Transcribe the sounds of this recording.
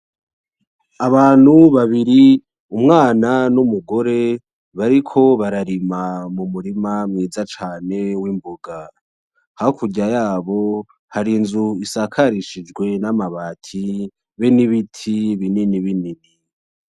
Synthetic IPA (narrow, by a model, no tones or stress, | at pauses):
aβaːn̥huβaβiɾi | umŋaːnanumuɡo̞ɾe̞ | βaɾikʰo̞βaɾaɾimamumuɾimamŋiːzat͡ʃaːne̞wimbuɡa | haokʰuɟajaːβo̞ | haɾinzuisakʰaɾiʃid͡ʒɡwe̞namaβaːtʰi | βeniβitʰiβininiβinini